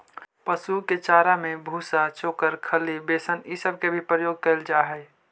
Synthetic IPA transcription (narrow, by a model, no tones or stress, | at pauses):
pəsuket͡ʃaːɾamẽbʱusat͡ʃoːkəɾkʰəlibeːsənisəb̚ʱkebʱipɾəjoːɡ̚kəɪld͡ʒaːɦɛɪ